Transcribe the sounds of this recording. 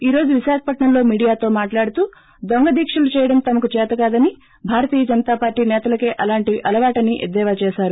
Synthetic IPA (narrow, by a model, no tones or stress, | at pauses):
iːɾo̞ːd͡ʒuʋiʃaːkɐ̥pɐʈɳɐmlo̞ːmiːɽijaːt̪o̞ːmaːʈlaːɽut̪uː | d̪oŋɡɐd̪iːkʂɐlut͡ʃɛːjɐɽɐmt̪ɐmɐkut͡ʃɛːt̪ɐkaːd̪ɐni | bʱaːɾɐt̪iːjɐd͡ʒɐnɐt̪aːpaːɾʈːiːnɛːt̪ɐlɐkeːʔɐlaːɳʈiʔɐlɐʋaːʈɐniʔed̪ːɛːʋaːt͡ʃɛːʃaːɾu